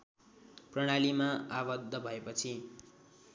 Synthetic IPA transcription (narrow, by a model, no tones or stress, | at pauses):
prʌɽ̃alimaabʌd̪ʱːʌbʱʌepʌt͡sʰi